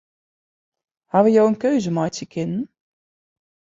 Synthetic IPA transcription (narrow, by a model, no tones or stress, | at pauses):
haʋəjowənkøɥzəmɑjtəkʰɪnn